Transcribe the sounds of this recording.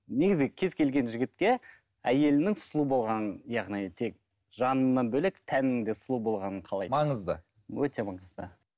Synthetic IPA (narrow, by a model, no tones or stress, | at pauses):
ne̞ɡʲɪzɡʲɪkʲʰe̞zkʲʰe̞lɡʲe̞nʒʏɡʲɪt̪̚kʲe̞ | æje̞lɪnɪŋsʊlˠubo̞lˠʁɑnəjɑʁnijt̪ʰe̞k̚ | ʒɑnənːɑnbɵlekt̪ʰænɪɪŋd̪e̞slˠubo̞lˠʁɑnəɴqʰɑlˠɑjmɑɴəzd̪ə̰ | wɵt̪e̞mɑɴəzd̪ə̰